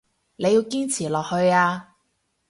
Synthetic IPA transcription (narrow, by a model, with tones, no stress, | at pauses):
ne˨˧jiː˧wkiː˥nt͡sʰiː˨˩lɔː˨k̚hɵ˧ɥaː˧